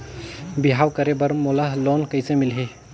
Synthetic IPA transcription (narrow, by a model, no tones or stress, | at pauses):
biɦawkəɾebəɾmolaɦlonkəjsemɪlɦe